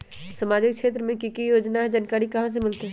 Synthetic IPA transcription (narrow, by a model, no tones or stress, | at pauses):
səmaːd͡ʒɪk̚t͡ʃʃʰeːt̪̬ɾəmẽkikijoːd͡ʒnaɦɛd͡ʒaːnkaːɾikɐɦãs̬emɪlt̪eɦɛ